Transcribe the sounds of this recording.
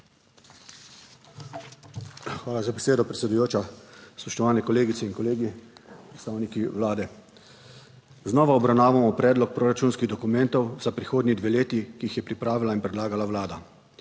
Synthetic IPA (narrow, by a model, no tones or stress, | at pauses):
xʋaːlazabɛseːd̪ɔpɾɛt̪sɛd̪ujoːt͡ʃaspɔʃt̪ɔʋaːnɛkɔleːɡit̪sɛinkɔleːɡipɾɛt̪st̪aːwnikiʋlaːd̪ɛ | znɔːʋaɔbɾawnaːʋamɔpɾɛːd̪lɔk̚pɾoːɾat͡ʃuːnskiɣd̪ɔkumɛ̃nt̪ɔwz̥apɾixoːd̪nid̪ʋeleːt̪ikiixjɛpɾipɾaːʋilainpɾɛd̪laːɡalaʋlaːd̪a